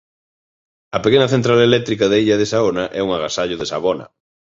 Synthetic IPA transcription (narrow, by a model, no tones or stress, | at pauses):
ɐpekenɐθent̪ɾalelɛk̚t̪ɾikɐðaiʎɐðesaonɐʔɛuŋaɣasaʎʊðesa̰βɔnɐ̰